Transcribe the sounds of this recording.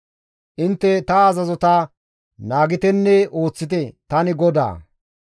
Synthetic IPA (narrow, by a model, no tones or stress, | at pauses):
ʔɪnt̪ːɛt̪ɐːzɐzɔt̪a | naːɡɪt̪ɛnːɛoːt͡sːɪt̪̬ɛt̪ɐnɪɡɔd̪a̰ː